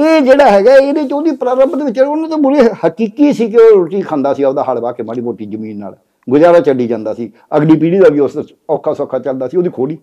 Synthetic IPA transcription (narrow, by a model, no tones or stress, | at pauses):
eːd͡ʒeːɽaːɦɛːɡaːeːnẽːt͡ʃoːd̪iːpɾaːɾəmbd̪eːʋɪt͡ʃːonãːt̪õːbʊɾeːhəkiːkiːsiːk̬ɪoːɾoːʈiːkʰãːnd̪aːsiːoːd̪aːɦəlbaːkeːmaːɽiːboːʈiːd͡ʒəmĩːnːa̰ːl | ɡʊd͡ʒaːɾaːt͡ʃəɖiːd͡ʒãːnd̪aːsiː | əɡniːp̬iːɽiːd̪aːʋiːʊs | ɔːkʰːaːsɔːkʰːaːt͡ʃəld̪aːsiːoːd̪iːkʰoːɽiː